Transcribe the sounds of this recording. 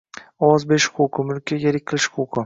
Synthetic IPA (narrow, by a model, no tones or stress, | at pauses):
ɒwɒzbeʃqʰoqʰʊmʊlkʲʰːajʲeɾɪkʲqʰɨlˠɪʃqʰoqʰʊ